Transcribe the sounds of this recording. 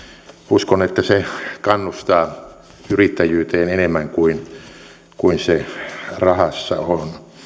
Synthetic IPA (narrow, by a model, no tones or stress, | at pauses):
uskonet̪ːæsekɑnːust̪ɑː | yrit̪ːæjyːt̪eːnenemːæŋkuin | kuinserɑhɑsːɑ̰on